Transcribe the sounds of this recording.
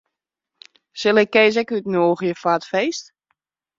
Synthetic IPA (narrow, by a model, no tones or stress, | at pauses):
sɪlɪkːeːz̬ɛkytnoːɣjəfatfejst